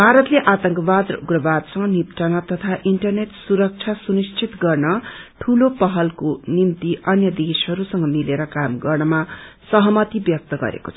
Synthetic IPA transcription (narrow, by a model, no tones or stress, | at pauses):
bʱaɾʌt̪leʔat̪ʌŋkʌbad̪uɡrʌbad̪sʌŋɡʌnipt͡sʌnʌt̪ʌt̪ʰaʔiɳʈʌrneʈsuɾʌk̚t͡sʰasunist͡sʰit̪ɡʌrnʌʈʰulopʌɦʌlkonimt̪iʔʌnjʌd̪esɦʌɾusʌŋʌmileɾʌkamɡʌrnʌmasʌɦʌmʌt̪ibjʌk̚t̪ʌɡʌ̰ɾḛko̥t͡sʰ